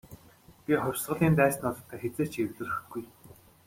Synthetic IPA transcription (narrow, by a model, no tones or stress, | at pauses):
pʲiχʊrʲsʁə̆ɮiːnt̪æːsnʊɮ̆t̪ʰːæːxet͡seːt͡ɕʰiwɮɘ̆rɵ̆xt̪̚ɡuj